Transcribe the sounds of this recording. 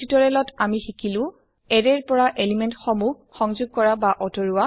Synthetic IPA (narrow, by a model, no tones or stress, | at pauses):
utɔɹɛlɔtamixikʰilʊ̃ | ɛɹɛɹpɔɹaʔelimentxɔmu | xɔŋzuɡ̚kɔɹabaʔɔdɔɹuwa